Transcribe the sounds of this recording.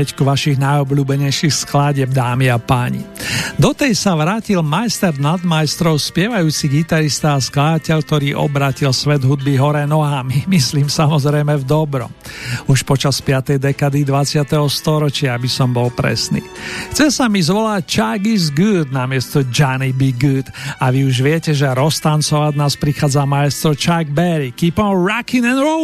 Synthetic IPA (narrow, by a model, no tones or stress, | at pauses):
ɛckuʋaʃiɣnajɔbluːbɛɲɛjʃixsklaɟɛb̚d̪aːmiapaːɲḭd̪ɔt̪ɛjsaʋɾaːcilmajst̪ɛɾnad̪majst̪ɾɔʊspɪɛʋajuːt͡siɡit̪aɾist̪aːsklad̪acɛʎk̚t̪ɔɾiːʔɔ̰bɾaːcilsʋɛd̪ɦud̪̚biɦɔɾɛnɔɦamimisliːmsamɔzɾɛjmɛvd̪ɔbɾɔ̰muʃpɔt͡ʃaspɪat̪ɛjd̪ɛkad̪id̪ʋat͡sɪat̪ɛɦɔst̪ɔɾɔt͡ʃɪaabisɔmbɔlpɾɛ̰snḭːxt͡sɛsamizʋɔlac̚t͡ʃaɡizɡud̪namɪɛst̪ɔd͡ʒanibiɡud̪aʋiuʒʋɪɛcɛʒɛɾɔst̪ant͡sɔʋaɟnaːspɾixaːd͡zamajɛst̪ɾɔt͡ʃaɡ̚bɛɾikiːpɔnɾakinɛnɾɔ